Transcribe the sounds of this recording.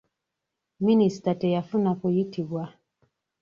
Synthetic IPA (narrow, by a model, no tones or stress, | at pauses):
ministatɛjafunakujitibwa